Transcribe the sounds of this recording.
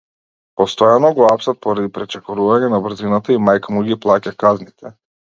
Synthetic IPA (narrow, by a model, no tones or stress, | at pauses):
pɔst̪ɔjanɔɡɔapsat̪̚pɔɾad̪ipɾɛt͡ʃɛkɔɾuvaɲɛnabr̩zinat̪aimajkmuɡiplˠacakaznit̪ʰɛ